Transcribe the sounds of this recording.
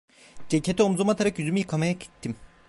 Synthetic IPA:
d͡ʒecʰet̪ʰiomzumat̪ʰaɾakjyzymijɯkʰamajaci̥t̪ʰːim

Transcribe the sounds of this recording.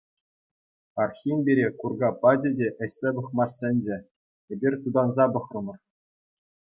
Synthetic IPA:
ɑrxʲinʲbʲeɾʲekurɡɑpɑd͡ʑʲĕdʲeʔɘ̆ɕʲsʲebɤ̆χmɑsʲːɘ̆nʲd͡ʑʲɘ̆ | ebʲirʲt̪ud̪ɑnzɑbɤ̆χrɤ̆mɤ̆r

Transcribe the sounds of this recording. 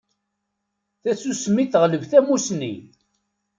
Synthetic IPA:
θæsusmːiθʁləvθæmusnḭ

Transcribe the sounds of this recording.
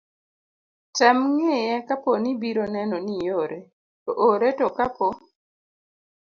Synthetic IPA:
tɛmŋejɛkaponibiɾonɛnɔnijoɾe | tɔʔoɾetɔkapo

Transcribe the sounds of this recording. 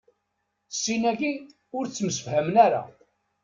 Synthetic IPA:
sːinæɡi | ʊɾt͡sːməsəfhæmənæɾa̰

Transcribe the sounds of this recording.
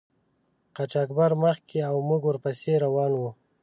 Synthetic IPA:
qat͡ʃakbaɾməxkeawmuɡwəɾpaseɾawɑnwu

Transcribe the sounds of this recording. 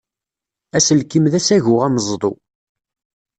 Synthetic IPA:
æsəlkimðæsæʝʊʁæməzˤðˤo̰

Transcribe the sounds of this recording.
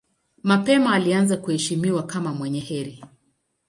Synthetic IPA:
mapɛmaːlianzakuhɛʃimiwakamamwɛɲɛhɛɾi

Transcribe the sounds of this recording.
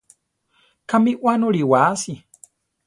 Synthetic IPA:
kamiʔwanuɾiwaːsi

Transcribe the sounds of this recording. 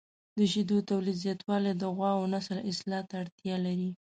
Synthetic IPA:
d̪əʃid̪ot̪awlid̪zjɑt̪wɑlejd̪əɣwɑwonasəlɪslɑt̪aɽt̪jɑlaɾi

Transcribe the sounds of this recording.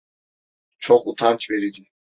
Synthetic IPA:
t͡ʃʰɔχut̪ʰant͡ʃʰʼbɛɾid͡ʒɛ

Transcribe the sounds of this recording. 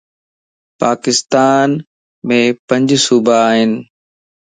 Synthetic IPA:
paːkɪst̪aːn | mẽpɐ̃ɲd͡ʑsuːbəaːɦɪnɪ̆

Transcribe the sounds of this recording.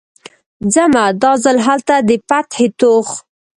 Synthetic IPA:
d͡zamad̪ɑzalɦalt̪ad̪əpat̪het̪ox

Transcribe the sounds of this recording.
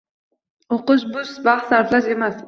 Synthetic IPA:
oqʊʃbʊsbɑχaɾt̪laʃemas

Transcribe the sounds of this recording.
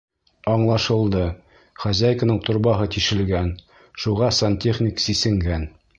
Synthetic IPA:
ɒɴlˠɑʃɤ̆lˠd̪ɤ | χæzæjkənɤɴt̪ŏɾbɑɦɤt̪iʃɘ̆lɡæn | ʃuʁɑsɐnt̪ʲeχnʲɪksisɘ̆ŋɡæn

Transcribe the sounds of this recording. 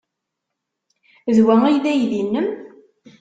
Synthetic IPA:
ðwæijðæjðinːəm

